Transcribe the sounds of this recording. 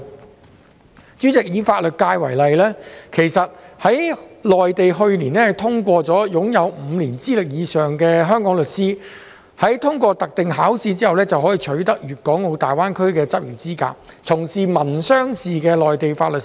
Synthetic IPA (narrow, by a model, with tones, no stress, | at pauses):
t͡sy˨˥t͡sɪ˨k̚jiː˨˧faː˧t̚lɵ˨t̚kaː˧jwɐ˨˩jlɐ˨jlɛː˥kʰe˨˩jsɐ˨t̚hɐ˨˥jlɔː˨jt̪e˨jɦɵ˧ɥnliː˨˩nlɛː˥ɐ˨jt̪ʰʊ˥ŋkʷɔː˧t͡sɔː˨˥jʊ˨˥ŋjɐ˨˧wm̩˨˧liː˨˩nt͡siː˥lɪ˨k̚jiː˨˧sœː˨ŋkɛː˧ɦœː˥ŋkɔː˨˥ŋlɵ˨t̚siː˥ | hɐ˨˥jt̪ʰʊ˥ŋkʷɔː˧t̪ɐ˨k̚t̪ɪ˨ŋɦaː˨˥wsiː˧t͡siː˥hɐ˨wlɛː˥t͡sɐ˨whɔː˨˥jiː˨˧t͡ʃʰɵ˨˥ɥt̪ɐ˥k̚jyː˨t̚kɔː˨˥ŋo˨˧wt̪aː˨jwaː˥nkʰɵ˥ɥkɛː˧t͡sɐ˥p̚jiː˨˩wt͡siː˥ka̰ː˧˥k̚t͡sʰʊ˨˩ŋsiː˨mɐ˨˩nsœː˥ŋsiː˨˩kɛː˧lɔː˨jt̪e˨jfaː˧t̚lɵ˨